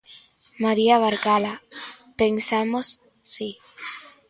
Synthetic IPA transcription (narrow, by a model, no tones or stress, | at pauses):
maɾiaβaɾɣalapensamosː | i